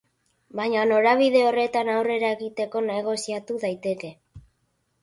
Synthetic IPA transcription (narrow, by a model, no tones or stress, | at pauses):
bajɲano̞ɾaβ̞iðe̞o̞re̞t̪anawre̞ɾae̞ɣit̪e̞ko̞neɣ̞o̞siat̪uðajt̪e̞ke̞